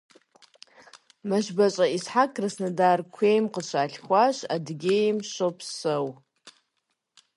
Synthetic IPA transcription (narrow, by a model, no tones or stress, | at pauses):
maʒʷbat͡ʃʷʼaisħakʰʼrasnadarkʷʰejmqʼəʃʷʰaːɬʲχʷaʃadɡʲejmʃʷopʰsɨw